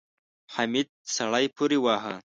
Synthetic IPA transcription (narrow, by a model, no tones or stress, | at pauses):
ħamid̪̚sɐɽajpʰuɾiwaːɦa̰